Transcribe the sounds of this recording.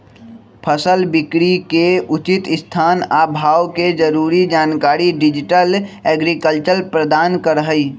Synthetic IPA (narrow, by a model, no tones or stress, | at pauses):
pʰəsəlbɪkɽikeʊt͡ʃɪt̪ɪst̪ʰaːnaːbʱaːwked͡ʒəɾuːɾid͡ʒaːnkaːɾiɖɪd͡ʒɪʈəleːɡɾikəlt͡ʃəɾpɾəd̪aːnkəɾəɦəi